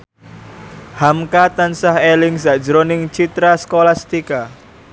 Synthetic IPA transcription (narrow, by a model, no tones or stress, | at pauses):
hamkat̪ansaɦelɪŋsaʔd͡ʒəɾonɪŋt͡ʃit̪ɾaskolast̪ika